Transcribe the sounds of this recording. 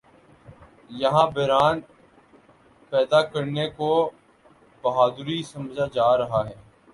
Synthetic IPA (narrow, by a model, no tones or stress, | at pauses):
jɐɦãbɛɾaːn | pɛːd̪akɐɾneko | bɐɦaːd̪ɾisɐ̃md͡ʒad͡ʒaːɾɐɦaɦɛː